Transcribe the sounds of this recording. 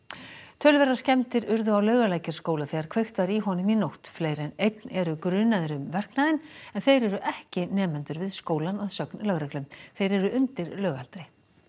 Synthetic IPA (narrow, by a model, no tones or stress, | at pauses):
t̪ʰœːlvɛɾascɛmt̪ɪɾʏɾðʏawlœɥɣalaːjcḁskoːwlaθɛɣaɾkʰvejxt̪vaɾiɦɔnɪminowht̪fleːjɾɛnejt̪nɛɾʏkɾʏːnaðɪɾʏmvɛr̥knaðɪnɛnθejɾɛɾʏʔɛhcɪnɛːmɛnt̪ʏɾvɪðskoːwlanɔðsœknlœɣɾɛklʏmθejɾɛɾʏʔʏnt̪ɪɾlœːɣa̰lt̪ɾɪ